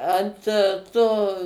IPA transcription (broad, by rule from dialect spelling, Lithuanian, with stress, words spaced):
ˈɐnt ˈtoː